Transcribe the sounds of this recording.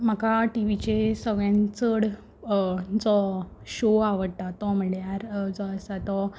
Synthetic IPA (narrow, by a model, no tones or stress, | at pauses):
m̤akaʈiʋit͡ɕesəɡɭjãnt͡səɽ | d͡zɔɕoaʋəɽt̪at̪ɔm̤əɽjaɾd͡zɔəsat̪ɔ